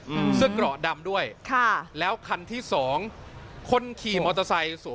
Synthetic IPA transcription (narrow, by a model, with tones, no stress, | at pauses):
sɯ˥˩kɾɔ˨˩ʔda˧mdu˥˩əjkʰa˥˩lɛː˦˥wkʰa˧nt̪ʰiː˥˩sɔː˩˦ŋkʰo˧nkʰiː˨˩mɔː˧t̪a˧sa˧jsu˨˩˦